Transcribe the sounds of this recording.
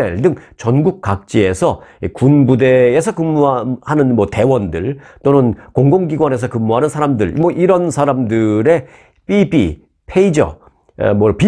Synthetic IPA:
eɭdɯŋt͡ɕʌnɡuk̚k͈ak̚t͡ɕ͈ie̞sʰʌikunbude̞ːsʰʌkɯmːuahanɯnmwʌte̞wʌndɯɭt͈onɯnkoŋɡoŋɡiɡwane̞s̬ʰʌkɯmːuɦanɯnsʰaɾamdɯɭmʌʔiɾʌnsʰaɾamdɯɾe̞ | pibḭ | pʰe̞id͡ʑʌ̰ | mʌpi

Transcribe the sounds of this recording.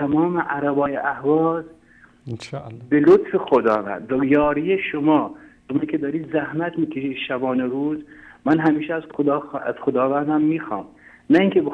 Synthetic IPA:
t̪ʰæmɒːmeʔæɾæbɒːjeʔæhvɒːz | belot̪fexod̪ɒ̰ːvæ̰nd̪væjɒːɾijeʃomɒː | omikʰed̪ɒːɾiːd̪zæhmæt̪miːkʰʲeʃiːd̪ʃæbɒːneɾuːzmænɦæmiːʃɛæzod̪ːæ̰z̥xod̪ɒːvænd̪æmːiːxɑ̰ːm | næiːŋkʰʲeb

